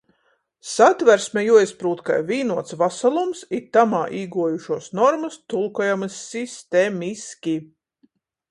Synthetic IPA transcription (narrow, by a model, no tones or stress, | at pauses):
sat̪væɾsmɛjuɔjspɾuːt̪ka̰jviːnuɔt̪svasalˠumsit̪amaːʔiːɡuɔjuʃuɔsnɔɾmɐst̪ulˠkɔjamɨsːist̪emʲiskʲi